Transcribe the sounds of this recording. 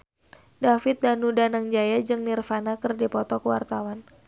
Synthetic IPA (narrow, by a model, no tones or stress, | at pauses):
dafɪt̪̚danudanaŋd͡ʒajad͡ʒɨŋnirfanakərdipɔt̪ɔkəwart̪awan